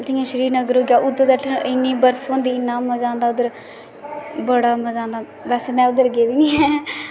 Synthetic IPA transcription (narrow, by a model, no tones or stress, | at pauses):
d̪ɪːãːʃəɾiːɾnəɡəɾɦoːɡjaːʔʊd̪əɾd̪əʈʰɪnːĩːbəɾfʰõːnd̪iːnːãːməd͡ʒãːnd̪aːʊd̪əɾ | bəɽaːməd͡ʒãːnd̪aː | bɛːsmɛ̃ːʊd̪əɾɡeːʋiːnĩːɦɛː